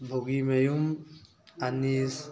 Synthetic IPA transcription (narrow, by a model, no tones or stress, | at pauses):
bʱoɡimejum | anis